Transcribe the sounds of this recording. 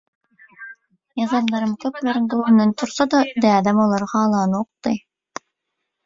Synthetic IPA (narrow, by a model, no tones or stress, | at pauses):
jɑzɑmlˠɑɾɯmkʲʰɵpleɾɪnd̪olˠnɛnt̪ʰʊɾsɑd̪ɑd̪æɑd̪æmolˠɑɾʁɑːlˠɑnoqt̪ɯj